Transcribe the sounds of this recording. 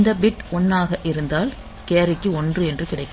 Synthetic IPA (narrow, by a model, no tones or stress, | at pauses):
nd̪ɐbɪʈɔnːaːɣɐʔɪɾɯnd̪aːl | keːɾɪkːɯɔndrɯɛndrɯkɪɽɐɪkː